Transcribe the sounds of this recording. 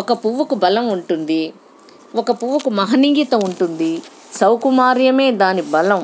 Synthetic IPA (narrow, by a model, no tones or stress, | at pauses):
ɔkɐpuʋukubɐlɐmuɳʈund̪i | ɔkɐpuʋukumɐɦɐniŋɡit̪ɐuɳʈund̪i | sɐwkumaːɾjɐme̞ːd̪aːnibɐlɐm